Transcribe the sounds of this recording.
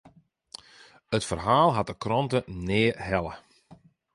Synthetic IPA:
ətfərɦaːlˠɦat̚əkrɔntənɪːɦɛlˠə

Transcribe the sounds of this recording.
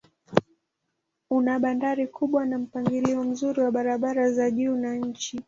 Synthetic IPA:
unaɓandaɾikʰuɓwanam̩paŋɡiliɔm̩zuɾiwaɓaɾaɓaɾazaʄuːnaɲ̩t͡ʃi

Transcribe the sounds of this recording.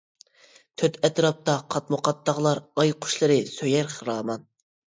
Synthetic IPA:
t̪ʰøt̪ɛt̪ɾɑp̚t̪ɑqʰɑt̪moqʰɑt̪ːɑʁlˠɑɾɑjqʰʊ̥ʃlˠɨɾɨsøjæɾχəɾɑːmɑn

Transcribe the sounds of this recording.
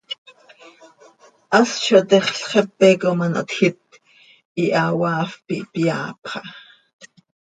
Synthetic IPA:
ʔast͡ʃot̪ɛχɬχɛpːɛkomanʔo̰t̪xit̪̚ | ʔiʔɑwɑːfpipjɑːpχɑ

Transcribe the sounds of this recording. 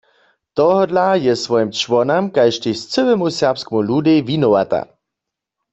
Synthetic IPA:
t̪ɔɦɔd̪lajɛsʋɔjimt͡ʃwɔnamkajʃt̪ist͡səwɛmusɛʁpskɛmulud̪ɛjvinɔwa̰t̪a̰

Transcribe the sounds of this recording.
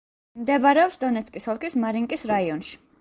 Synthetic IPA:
md̪ɛbaɾɛɔpsd̪ɔnɛt̪sʰʼkʼisɔlˠkʰismaɾiŋkʼisɾaiɔnʃi̥

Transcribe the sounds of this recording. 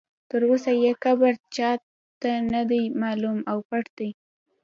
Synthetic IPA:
t̪əɾusajekabaɾt͡ʃɑ | t̪anad̪ajmɑlumawpaʈd̪aj

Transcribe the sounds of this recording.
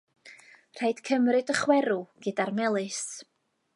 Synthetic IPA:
r̥ajd̥kʰəmrɨdəχwɛɾuɡ̥ɨdarmɛlˠɨs

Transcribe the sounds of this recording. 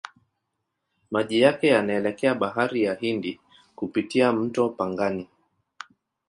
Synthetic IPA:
maʄijakɛjanaɛlɛkɛaɓaɦaɾijahindi | kupitiam̩tɔpaŋɡani

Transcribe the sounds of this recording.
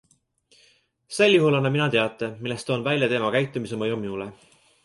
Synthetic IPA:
se̞lːjuɦulɑnɑminɑt̪e̞ɑt̪ːˑemilːest̪onvælʲjɑt̪e̞ːmɑkæjt̪ːˑumisemɑjomiule

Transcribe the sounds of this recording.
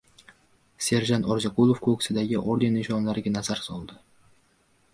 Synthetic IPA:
se̞ɾʒant̪ɒɾd͡ʒaqʊlˠofkʰoksɪd̪aɡʲɪʔoɾd̪e̞nɪʃɒnlaɾɪɡʲanazaɾsɒlˠd̪ɪ

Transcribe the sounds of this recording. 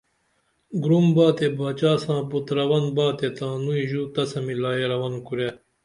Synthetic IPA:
ɡɾumbaːt̪ebaːt͡ɕaːsãːbut̪ɾɐwɐnbaːt̪et̪ãːnuiʑuːt̪ɐsɐmilaːeɾɐwɐnukuɾja

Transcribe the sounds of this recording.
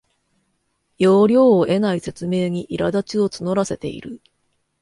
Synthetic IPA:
jo̞ːɾʲo̞ːʔe̞naise̞t͡sɨme̞ːɲ̟iʔiɾad̪at͡ɕio̞t͡sɨno̞ɾase̞t̪e̞̰ḭɾɯ̟

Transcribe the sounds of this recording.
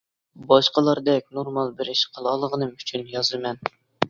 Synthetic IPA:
bɑʃqɑlˠɑɾd̪ɛk̚ʲnoɾmɑlˠbɪɾɪʃqʰəlˠɑlˠəʁənɨmyt͡ʃʰynjɑzɨmɛn

